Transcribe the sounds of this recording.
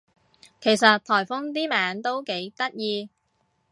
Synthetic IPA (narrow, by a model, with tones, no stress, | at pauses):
kʰe˨˩jsɐ˨t̚t̪ʰɔː˨˩jfʊ˥ŋt̪iː˥maː˨˥nt̪o˥wke˨˥jt̪ɐ˥t̚jiː˧